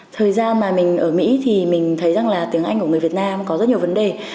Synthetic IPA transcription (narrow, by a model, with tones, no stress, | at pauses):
t̪ʰəː˨˩jzaː˧nmaː˨˩mï˨˩ŋ̟ʔəː˧˩mḭ˧˥t̪ʰi˨˩mï˨˩ŋ̟t̪ʰə˨˦jza˨˩ŋlaː˨˩t̪i˨˦əŋʔa˧jŋku˧˩ŋ˨˩vi˨˩ət̚naː˧mkɔ˨˦zə˦˥ɲi˩əvə˨˦nɗe˨˩